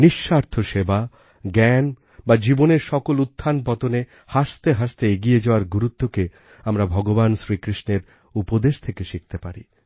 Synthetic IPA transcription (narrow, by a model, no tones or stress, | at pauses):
niʃːaɾt̪ʰoʃeba | ɡɛn | bad͡ʑiboneɾʃɔkolut̪ʰːanpɔt̪one | haʃt̪eɦaʃt̪eeɡied͡ʑaoaɾɡuɾut̪ːoke | amɾabʱɔɡobanʃɾikɾiʃneɾ | upod̪eʃt̪ʰekeʃik̚t̪epaɾḭ